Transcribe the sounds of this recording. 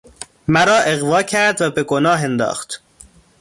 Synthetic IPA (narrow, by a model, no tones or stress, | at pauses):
mæɾɒːʔe̞ɣvɒːcʰæɾd̪væbeɡonɒːɦend̪ɒ̰ːxt̪